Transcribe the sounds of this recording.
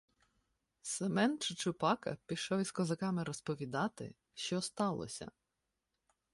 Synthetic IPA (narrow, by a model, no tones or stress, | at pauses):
semɛnt͡ʃɪt͡ʃʊpɑkɐ̰pʲiʃɔwʲiskɔzɐkɑmɪɾɔspɔʋʲid̪ɑt̪ɪ̰ | ʃt͡ʃɔst̪ɑlˠɔ̰sʲɐ̰